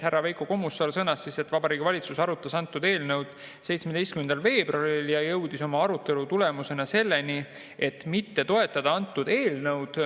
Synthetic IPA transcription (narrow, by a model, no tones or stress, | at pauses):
hærːɑvejkoko̞musːɑlsɤnːɑsːise̞t̪ːˑvɑbɑɾiːɡ̥ivɑlʲit̪susɑɾut̪ːˑɑsɑnt̪ːˑud̪e̞ːlnɤwd̪̥ | se̞jt̪smed̪ejst̪̚kymend̪ɑlve̞ːb̥rɑɾiljɑjɤ̞wd̪̥iso̞mɑɑɾut̪ːˑe̞lut̪ule̞muse̞nɑse̞lːe̞ni | e̞t̪ːmit̪ːe̞t̪o̞e̞t̪ːˑɑd̪ɑɑnt̪ːˑud̪̥e̞ːlnɤwd̪̥